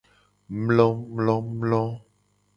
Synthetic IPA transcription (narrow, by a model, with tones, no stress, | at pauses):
mlɔ̃˦mlɔ̃˦mlɔ̃˦